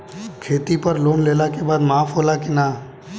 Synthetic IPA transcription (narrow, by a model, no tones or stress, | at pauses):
kʰeːt̪ipəɾloːnleːlakebaːd̪maːpʰɦoːlakɪnaː